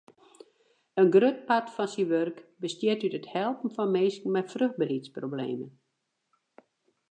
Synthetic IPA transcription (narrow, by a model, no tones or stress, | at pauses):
ənɡrøt̚patfɔnsiʋørkbəstjɪtytəthɛlˠpn̩fɔnmeːskŋ̩mɛtfrøx̚bərhitsproblḛːmən